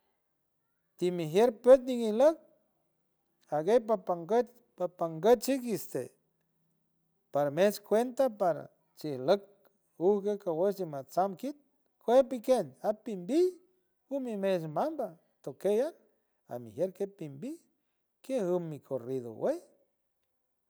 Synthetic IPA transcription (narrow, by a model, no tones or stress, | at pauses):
t̪imiɦjeɾpet̪̬niŋihlək̚ | aɡejpapaŋɡət | papaŋɡət̪t͡ʃikist̪e | paɾamet͡ʃkʷent̪apaɾa̰ | t͡ʃihlək̚ | uhkekawet͡ʃt͡ʃimat͡samkit̪̚ | kʰʷepikenapimbi | umimet͡ʃmamba | t̪okejan | a̰miɦjeɾkepimbi | kehumːikʰoriðo̰wej